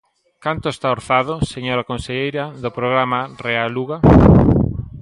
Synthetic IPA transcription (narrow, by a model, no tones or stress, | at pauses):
kant̪ʊest̪aoɾθaðʊseɲoɾakõnseʎejɾɐðʊpɾoɣɾamarealuɣa